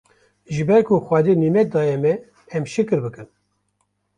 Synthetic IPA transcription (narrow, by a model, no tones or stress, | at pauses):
ʒɨbɛɾkʰoxwɑːd̪eːniːmɛt̪̚d̪ɑːjɛmɛː | mʃɨkɨɾbɨkɨn